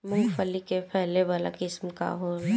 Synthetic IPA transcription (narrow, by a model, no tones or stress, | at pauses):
mʊ̃ŋɡfəlikepʰɛɦleʋaːla̰kɪsmka̰ɦoːl